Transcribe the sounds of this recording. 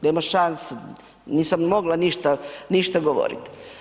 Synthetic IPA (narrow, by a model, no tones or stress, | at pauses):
nemaʃanse | niːsammoɡlaniʃt̪aniʃt̪aɡoʋo̰ɾḭt̪